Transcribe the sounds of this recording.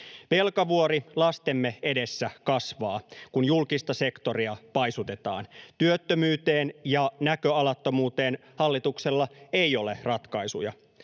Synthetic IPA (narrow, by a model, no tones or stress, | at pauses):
ʋe̞lkɑʋuo̞ɾilɑst̪emːee̞de̞sːækɑsʋɑːkunjulkist̪ɑse̞kt̪o̞riɑpɑjsut̪e̞t̪ɑ̰ːnt̪yøt̪ːømyːt̪e̞ːnjɑnækøɑlɑt̪ːo̞muːt̪e̞ːnhɑlːit̪ukse̞lːɑe̞jo̞le̞rɑt̪kɑjsṵjɑ̰